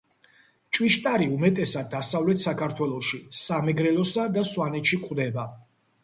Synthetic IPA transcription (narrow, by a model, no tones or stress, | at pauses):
t͡ʃʼwiʃt̪ʼaɾiumɛt̪ʼɛsad̪̚ːasavlɛt̪ʰsakʰaɾt̪ʰwɛlˠɔʃisamɛɡɾɛlɔsad̪aswanɛt̪ʃikʼwd̪ɛba